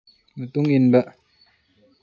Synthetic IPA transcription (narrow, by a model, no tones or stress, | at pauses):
mat̪uŋinbaʔ